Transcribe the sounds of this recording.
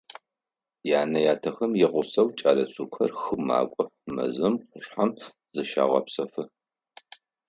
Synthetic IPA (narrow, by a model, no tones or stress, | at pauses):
jaːnɐjaːtʰɐxɐmjɪʁʷʊsɐwt͡ʃʼaːlɐt͡sʰʼuːkʰɐ̰rxɨma̰ːkʷʼʊmɐ̰zɨmqʷʊɕħam | z̥ɨʃa̰ːʁɐ̰psɐfɨ